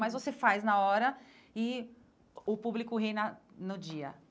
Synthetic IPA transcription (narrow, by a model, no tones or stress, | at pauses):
mɐjzvosefajznɐɔɾɐ | ɪ | ʊpublikʊɦejnɐnʊd͡ʒiɐ